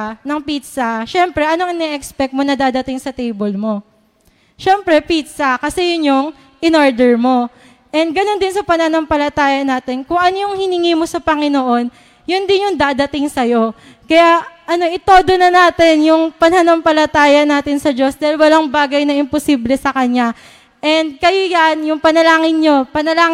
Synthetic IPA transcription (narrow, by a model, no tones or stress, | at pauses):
nɐŋpit̪sɐʃɛmpɾɛʔɐnoŋʔɪnɛʔɛkspɛk̚t̪̚mo̞nɐd̪aːd̪ɐt̪ɪŋsɐt̪ejbolmo̞ | ʃɛmpɾɛpit̪sɐkɐsɛjʊnjʊŋ | ʔɪno̞ɹd̪ɛɹmo̞ | ʔɛnd̪̚ɡɐno̞nd̪ɪnsɐpɐnanɐmpɐlɐt̪aːjɐnaːt̪ɪnkʊŋʔɐnojʊŋhɪnɪŋimo̞sɐpɐŋɪnoʔo̞n | jʊnd̪ɪnjʊŋd̪aːd̪ɐt̪ɪŋsɐjo̞ | kɐjaʔɐno̞ʔɪt̪o̞ːd̪o̞nɐnaːt̪ɛnjʊŋpɐnanɐmpɐlɐt̪aːjɐnaːt̪ɪnsɐd͡ʒo̞sd̪aːhɪlwɐlaŋbaːɡɐjnɐʔɪmposiːblɛsɐkɐɲa | ʔɛnd̪̚kɐjojanjʊŋpɐnɐlaːŋɪnɲo̞pɐnɐlaːŋ